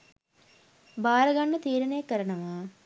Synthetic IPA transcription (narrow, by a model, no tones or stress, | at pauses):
baːɾɐɡaɳːɐt̪iːɾɐnejɐkːɐɾɐɳɐʋaː